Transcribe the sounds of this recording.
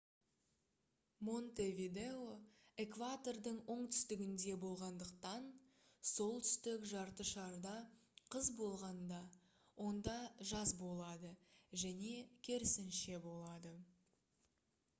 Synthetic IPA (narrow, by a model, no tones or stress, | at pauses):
mo̞nt̪evʲid̪e̞oekvat̪o̞rd̪əɴwo̞ɴt̪ʰʏ̥st̪ɪɡʲɪnd̪e̞bo̞lˠʁɑnd̪əqt̪ɑn | so̞lˠt̪ʰʏ̥st̪ɪkʒɑɾt̪əʃɑɾd̪ɑqʰəzbo̞lˠʁɑnd̪ɑ | wʔo̞nd̪ɑʒɑzbo̞lˠɑd̪əʒæne̞kʲʰe̞ɾɪsɪnʃe̞bo̞lˠɑd̪ə